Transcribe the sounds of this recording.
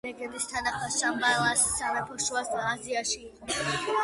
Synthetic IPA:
lɛɡɛd̪ist̪ʰanaχmaʃambalˠasːamɛpʰɔʃuasd̪aːziaʃiːqʼɔs

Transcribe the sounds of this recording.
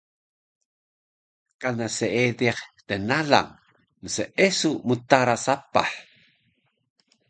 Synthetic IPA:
kanaseediχt̪ənaɮa̰ŋ | nəsəʔesumut̪aɾasapa̰ħ

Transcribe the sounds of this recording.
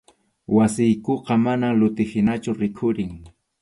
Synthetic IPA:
wasɪjkoqɑmanalʊt̪ɪhɪnat͡ʃʊɾɪkʰʊɾɪŋ

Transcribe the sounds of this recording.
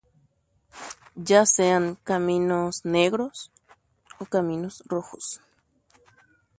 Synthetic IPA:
d͡ʒaseaŋkaminosneɣɾos | okamĩnosroxos

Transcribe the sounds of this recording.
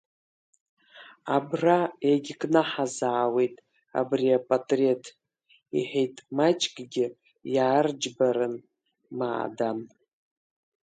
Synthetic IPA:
abrajaɡʲkʼnaħazaːwe̞jtʼ | a̰briapʼatʼretʰ | ḭħᶣejtʼmat͡ʃʼkʼɡʲɪ | jaːrd͡ʒbaɾɨn | ma̰ːdam

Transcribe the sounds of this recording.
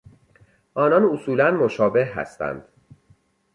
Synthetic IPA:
ʔɒːnɒnosuːlænmoʃɒːbe̞hɦæ̰st̪æ̰nd̪̥

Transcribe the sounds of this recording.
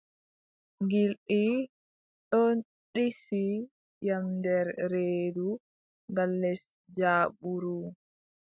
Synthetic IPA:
ŋɡilɗi | ɗɔn | ɗisi | jamdɛɾɾeːdu | ŋɡalːɛs | d͡ʒaːɓuɾu

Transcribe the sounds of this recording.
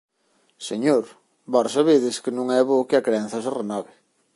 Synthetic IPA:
seɲoɾ | bɔɾsɐβeðɪskɪnũŋɛβokɪɐkɾeɛn̟θɐserenɔβɪ

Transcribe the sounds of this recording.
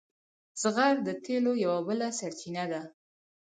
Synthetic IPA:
zɣaɾd̪ət̪elojawabəlasaɾt͡ʃinad̪a

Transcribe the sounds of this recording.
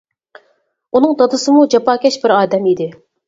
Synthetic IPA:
unɨŋd̪ɑd̪ɨsɨmud͡ʒɑpɑːkʲɛʃbɪɾɑːd̪ɛmid̪ɪ

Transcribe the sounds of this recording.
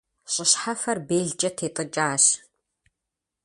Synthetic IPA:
ɕʼɪɕħafɐrbeːɮt͡ʃʼɐtʰeːtʼɨt͡ʃʼaːɕ

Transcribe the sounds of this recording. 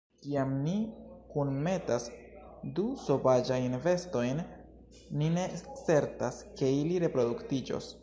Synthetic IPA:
kiamnikunme̞tas | duso̞vad͡ʒajnve̞sto̞jnː | ine̞kse̞ɾtaske̞iliɾe̞pɾo̞duktid͡ʒo̞̰s

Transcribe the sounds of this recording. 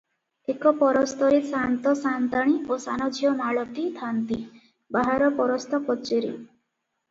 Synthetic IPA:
ekɔpɔɾɔst̪ɔɾesant̪ɔsant̪aɽ̃iosanɔd͡ʒʱijɔmaɭɔt̪it̪ʰant̪i | baɦaɾɔpɔɾɔst̪ɔkɔt͡ʃeɾḭ

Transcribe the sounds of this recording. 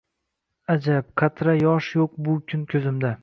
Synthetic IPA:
ad͡ʒapqʰat̪ʰɾajɒʃjoq̚bʊkʲʰʊnkʲʰɵzɪmd̪a

